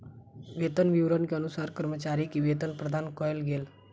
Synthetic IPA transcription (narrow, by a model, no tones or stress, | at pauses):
ʋet̪ənʋiʋɾənkiənusaɾkəɾmət͡ɕaɾiːkiʋet̪ənpɾəd̪ʱankɔjlɡel